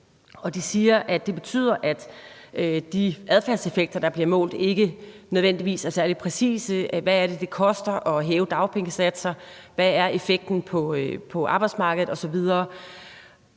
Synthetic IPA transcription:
ɒ̽d̥isiːɐʔæ̥e̝b̥e̝t͡sʰy̰ð̰ˠɐʔæd̥ | d̥iæðˠfæɐse̝feɡ̥̚d̥ɐd̥ɑ̈b̥liɐmɔ̰̽ːld̥e̝ɡ̥ənøð̞ˠʋen̰d̥iʋḭːsæɐsæɐlid̥̚pʰʁɛsḭːsəʋææɐɾ̥e̝d̥e̝kʰɒ̽sd̥ɐʔɒ̽ɦɛːʊd̥ɑ̈ʊpʰeŋəsæd̥sɐ | ʋææɐe̝feɡ̥̚d̥n̩pʰɒ̽pʰɒ̽ʔɑ̈b̥ɑ̈ɪd̥smɑ̈ːɡ̥əð̞̩ˠɒ̽sɒ̽ʋið̞ˠɐː

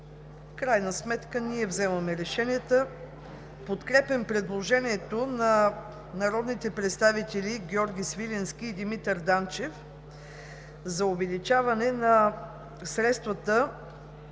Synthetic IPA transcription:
fkɾajnəsmɛt̪kəniɛvzɛmɐmɛɾɛʃɛnʲiət̪ə | pot̪kɾɛpɛmpɾɛd̪lˠoʒɛnʲiɛt̪onɐ | nɐɾɔd̪nit̪ɛpɾɛt̪st̪avit̪ɛliɡʲɔɾɡʲisvilʲɛnskʲiːd̪imit̪əɾd̪ant͡ʃɛf | zɐovɛlit͡ʃavɐnɛnɐ | sɾɛt̪st̪vət̪ə

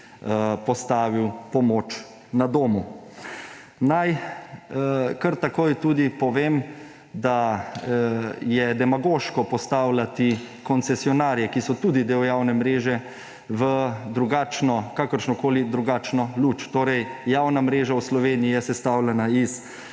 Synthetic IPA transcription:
pɔst̪aːʋiwpɔmoːt͡ʃ | nad̪oːmu | naj | kəɾt̪akoːjt̪uːd̪ipɔʋeːm | d̪a | jɛd̪ɛmaɡoːʃkɔpɔst̪aːwlat̪i | kɔnt̪sɛsiɔnaːɾjɛkisɔt̪uːd̪id̪eːwjawnɛmɾeːʒɛ | ʋəd̪ɾuɡaːt͡ʃnɔkakəɾʃnɔkoːlid̪ɾuɡaːt͡ʃnɔluːt͡ʃt̪oːɾɛjjaːwnamɾeːʒawslɔʋeːniijɛsɛst̪aːwlɛnais

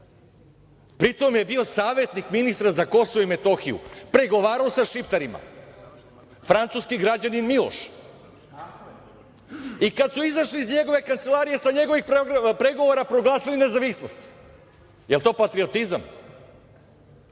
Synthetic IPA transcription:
pɾit̪o̞mje̞bio̞saːʋe̞t̪nikminist̪ɾazako̞soʋoime̞t̪o̞xijṵpɾeɡo̞ʋaːɾaosaʃipt̪aɾima̰ | fɾant̪suːskiɡɾad͡ʑaninmilˠo̰ʃ | ikad̪suizaʃliizɲe̞ɡo̞ʋe̞kant̪se̞lˠaːɾije̞saɲe̞ɡo̞ʋixppɾe̞ɡo̞ʋoɾapɾo̞ɡlˠaːsiline̞zaʋisno̞st̪ | jelˠt̪o̞ːpat̪ɾio̞t̪izam

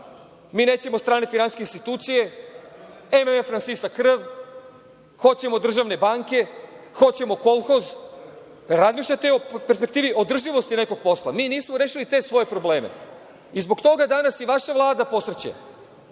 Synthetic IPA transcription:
miːne̞ːt͡ɕe̞mot̪st̪ɾaːnefinansskeinst̪it̪uːt̪sije̞ | ememefɾansisakːr̩ʋ | xo̞t͡ɕe̞mod̪r̩ʒaʋne̞baŋke̞ | xo̞t͡ɕe̞mo̞ko̞lˠxoz | ɾazmiːʃʎat̪eo̞peɾspekt̪iːʋiʔo̞d̪r̩ʒiʋo̞st̪ine̞ko̞ɡ̚po̞sla̰miːniːsmoɾeːʃilit̪e̞sʋo̞je̞pɾo̞ble̞ːme̞̰ | izbo̞kt̪o̞ɡad̪anasiʋaʃaʋlˠaːd̪apo̞sɾet͡ɕḛ

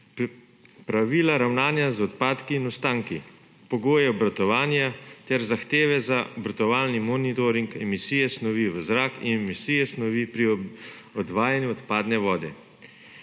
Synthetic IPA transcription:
pɾaʋiːlaɾawnaːnjazɔt̪paːt̪kiːnɔst̪aːŋki | pɔɡoːjɛɔbɾat̪ɔʋaːnjat̪ɛɾzaxt̪eːʋɛzaɔbɾat̪ɔʋaːlnimɔnit̪ɔɾiŋkɛmisiːjɛsnɔʋiʋəzɾaːkḭnɛmisiːjɛsnɔʋipɾi | ɔd̪ʋaːjanjuɔt̪paːd̪nɛʋɔːd̪ɛ

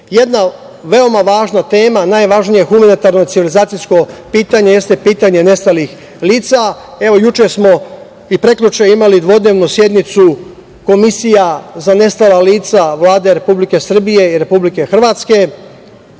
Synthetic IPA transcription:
je̞d̪na | ʋe̞o̞maʋaːʒnat̪e̞ːmanajʋaʒnijexumanit̪aɾno̞t̪siʋilizaːt̪sijsko̞piːt̪aɲe̞je̞st̪e̞piːt̪aɲe̞ne̞st̪alix | liːt̪sae̞ʋo̞jut͡ʃesmo̞ | ipɾe̞klut͡ʃeimalid̪ʋod̪ne̞ʋnusje̞d̪nit̪su | ko̞misijazane̞st̪alaliːt̪saʋlaːd̪e̞ɾe̞publike̞sr̩bije̞iɾe̞publike̞xr̩ʋaːt̪ske̞

